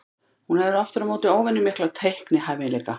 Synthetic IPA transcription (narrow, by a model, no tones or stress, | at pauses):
hunhɛðɪɾaft̪ʏɾamoːwt̪ɪoːwvɛnːʏmɪhklat̪ʰejhknɪɦajvɪnlɛjka